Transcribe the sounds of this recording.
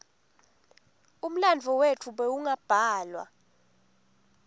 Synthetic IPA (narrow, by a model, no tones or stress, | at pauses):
um̩land͡vʱɔwetʰuɓɛuŋab̥ʱaːlwa̰